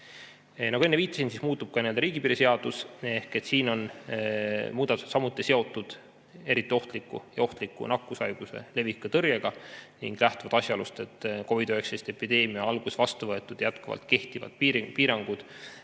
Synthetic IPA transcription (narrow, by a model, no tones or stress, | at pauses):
nɑɡuenːeviːt̪ːˑɑ̥sinsismuːt̪ːˑub̥kɑenield̪ɑɾiːɡ̥ipiɾise̞ɑd̪̥usehket̪siːno̞n | muːd̪̥ɑt̪uset̪sɑmut̪ːˑise̞o̞t̪ːˑud̪̥ | e̞ɾit̪ːˑio̞ht̪likːˑṵjɑo̞ht̪likːˑṵnɑkːˑusɑjɡ̥use̞̰le̞vikːˑɑt̪ɤrjeɡ̥ɑniŋɡ̥læht̪uvɑd̪ɑsʲjɑlust̪e̞t̪ːˑko̞vid̪øeksejst̪e̞pid̪e̞ːmiɑɑlɡ̥usvɑst̪uvɤet̪ːˑud̪̥jæt̪kuvɑ̰lt̪ke̞ht̪ivɑ̰d̪̚piːɾpiːɾɑŋɡ̥ud̪̥